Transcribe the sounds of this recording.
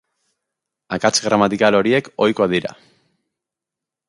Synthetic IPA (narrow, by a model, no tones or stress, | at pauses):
akat͡sɣɾamat̪ikalo̞ɾie̞ko̞jko̞aðiɾa̰